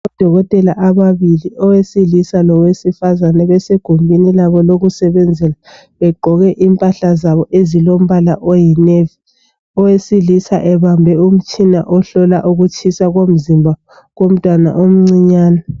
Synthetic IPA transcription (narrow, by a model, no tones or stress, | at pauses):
ɔd̥ʱɔɣɔtʼɛlaʔaβaβiliʔɔwesiɮisalɔwesifazanɛβɛseɡ̥ʱumbʱinilaβɔloɣusɛβɛnd͡zʱɛla | βɛɡ͡ǃʱɔɣɛʔimpʼaɬazaβɔʔezilom̩βalaʔojinevi | ɔwesilisa̰ʔɛβambʱɛum̩t͡ʃʼina̰ʔɔɬɔla̰ʔuɣut͡ʃʼʰisaɣom̩zimbʱa | ɣom̩tʼwana̰ʔom̩ŋ͡ǀiɲaːna